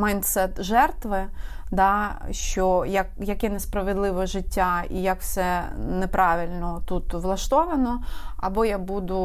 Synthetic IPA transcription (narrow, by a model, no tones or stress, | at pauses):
mɐjnt̪sɛt̪ʒɛrt̪ʋɪd̪ɑʃt͡ʃɔjɐkjɐkʲɛnɛspɾɐʋed̪lˠɪʋɔʒɪtʲːaḭjɐkfsɛnɛpɾɑʋʲɪlʲnɔt̪ut̪ʋlˠɐʃt̪ɔʋɐnɔɐ̰bɔjabud̪ʊ